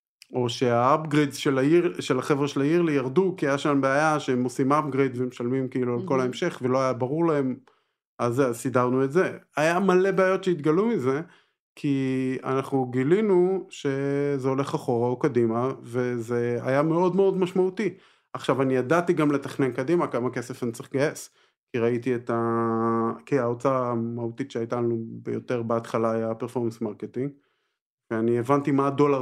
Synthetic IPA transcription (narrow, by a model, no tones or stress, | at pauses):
ʔo̞ʃe̞aabɡʁedʃelaiʃelaχevʁeʃelaiʁlijaʁdukiajaʃambeajaʃeemosimap̚ɡʁedvemeʃalmimkiiːlualko̞laemʃe̞χvelo̞ajabaʁuʁlaɦe̞m | alzeazsidaʁnue̞tze̞ajamale̞beajotʃejit̪ɡalumize̞ | kʰia̰naχnuɡilinuʃe̞zeo̞le̞χaχo̞ʁaokadimave̞ze̞a̰jame̞o̞dmeo̞dmaʃmaut̪i | aχʃavanijadatiɡamle̞taχne̞nkadimakamake̞sefanit͡saʁiχɡaes | kiʁaitiet̪a | kiaot͡samautitʃeajtanubejote̞ʁbeatχalajapeʁfo̞ʁmensmaʁketiŋɡ | veanievantimado̞la